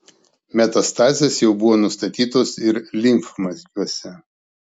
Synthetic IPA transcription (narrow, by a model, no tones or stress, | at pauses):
mʲɛt̪ɐst̪ɑːzʲeːsjɛʊbʊʋoːnʊst̪ɐt̪ʲiːt̪oːsɪɾlʲɪŋfmɐzʲɡʲuɔsʲɛ